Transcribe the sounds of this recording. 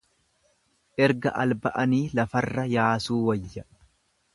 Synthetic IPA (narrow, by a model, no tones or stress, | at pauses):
ʔɛɾɡɐ̰ʔɐlbɐʔɐniːlɐfɐrːɐjaːsuːwɐjːɐ